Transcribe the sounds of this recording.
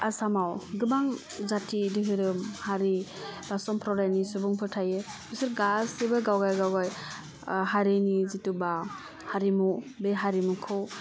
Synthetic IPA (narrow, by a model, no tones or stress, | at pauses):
asamawɡɯbaŋ | zatʰidɯɦɯɾɯmhaɾib̥asɔmpʰɾɔɾajnisubuŋpʰɯtʰajebɯsɯɾɡasebɯɡawɡajɡawɡaj | ɦaɾinizituba | haɾimubeɦaɾimukʰɯw